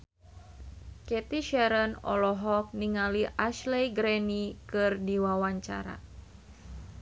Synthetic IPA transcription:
kɛt̪iʃɛɾənɔ̰lɔɦɔk̚niŋaliʔaʃlɛjɡɾɛnikɨrdiwawaɲt͡ʃa̰ɾa̰

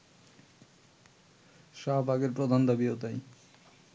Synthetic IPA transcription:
ʃabʱaɡeɾpɾod̪ʱand̪abiot̪aj

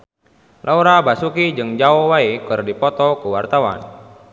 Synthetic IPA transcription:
lʔauɾabasukid͡ʒɨŋd͡ʒaɔwaekɨrdipɔt̪ɔkuwart̪awa̰n

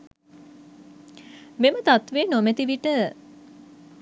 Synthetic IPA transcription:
memət̪at̪ʋeːnomet̪iʋiʈə

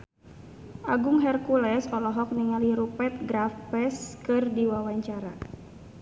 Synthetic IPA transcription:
ʔaɡʊŋɦɛrkulɛsɔlɔɦɔk̚niŋaliɾupɛt̪̚ɡɾafpɛskɨrdiwawaɲt͡ʃaɾa

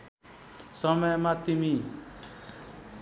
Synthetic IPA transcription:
sʌmʌjmat̪imi

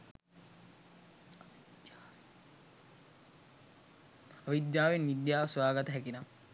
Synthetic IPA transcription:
aʋid̪jaːʋenʋid̪jaːʋsʋaːɡat̪əɦækina

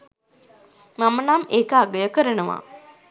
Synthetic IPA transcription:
mamənameːkəaɡəjəkəɾənəʋa̰

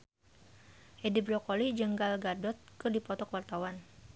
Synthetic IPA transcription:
ʔedibɾɔkolid͡ʒəŋɡalɡadɔt̪̚kɨrdipɔt̪ɔkwart̪awan

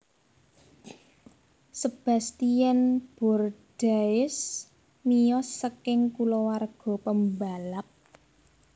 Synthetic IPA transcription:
səb̥a̤st̪ijɛnb̥ɔ̤rd̥aɪs | mijɔsːəkɪŋkulɔwarɡ̥ɔ̤pəmbalap̚

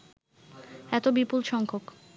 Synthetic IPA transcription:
ɛt̪obipulʃɔŋkʰok

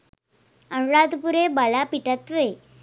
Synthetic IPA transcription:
əɳɽad̪puɾebalapiʈat̪ʋe

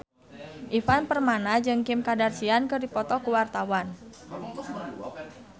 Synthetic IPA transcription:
ʔifanpərmanad͡ʒɨŋkɪmkadarsiankɨrdipɔt̪ɔkuwart̪awan

